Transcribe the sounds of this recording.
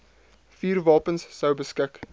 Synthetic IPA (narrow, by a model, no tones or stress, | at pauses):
fiːrvɑːpənsːəwbəskɪk